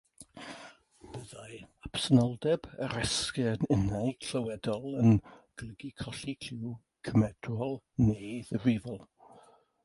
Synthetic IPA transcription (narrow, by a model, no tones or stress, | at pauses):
b̥əðajapsənɔlˠdɛbəɾɛskɛnənajkʰləwɛdɔlˠənɡ̥lˠəɡikʰɔɬikʰɪw | kʰəmɛd̥wɔlˠ | neːðəvɪvəlˠ